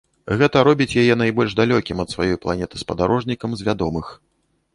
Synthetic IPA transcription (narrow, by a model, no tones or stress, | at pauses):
ɣɛt̪ɐɾɔbʲit͡sʲjajɛnajbɔlʲʐd̪alʲɔkʲimɐt̪svajɔjplˠa̰nʲɛt̪ɨ̥spɐd̪aɾɔʐnʲikɐmzʲvʲad̪ɔmɨx